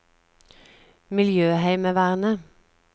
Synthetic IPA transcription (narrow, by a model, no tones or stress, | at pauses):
mɪljøːhæɪməʋæʁnə